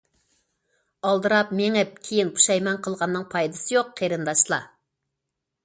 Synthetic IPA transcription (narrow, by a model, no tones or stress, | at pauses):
ɑlˠd̪ɨɾɑp̚meŋɛkʲʰejinqʰu̥ʃɑjmɑŋqʰəlˠʁɑnːɨŋpʰɑjd̪ɨsɨjoqːʰeɾɨnd̪ɑʃlˠɑ̰